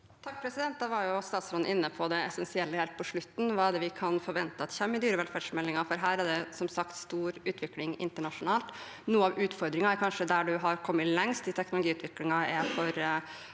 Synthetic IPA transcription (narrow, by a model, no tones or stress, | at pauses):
t̪ʰɑk̚pʰɾɛsɪd̪ɛnt̪̚d̪ɑʋɑɾjʊst̪ɑːt̪sɾɔnːʔɪnːəpʰɔd̪ɛɛsɛnsɪɛlːəhɛlt̪̚pʰɔʂɭʉt̪ːn̩ʋɑːɛɖ̪ɛʋɪkʰɑnfɔɾʋɛnt̪əɑt̪çɛmːəd̪yːɾəʋɛlfæɖʂmɛlːɪŋɑfɔɾɦæːɾæɖɛsɔmsɑkt̪st̪uːɾʉːt̪ʰʋɪklɪŋɪ̰nt̪əɳɑʂʊnɑːlt̪ | nuːəɑʋʉːt̪fɔɾd̪ɾɪŋɑɛɾkʰɑnʂəd̪æɖʉɦɑɾkʰɔmːəlɛŋst̪ɪt̪ʰɛknʊlʊɡiːʉːt̪ʰʋɪklɪŋɑɛfɔɾ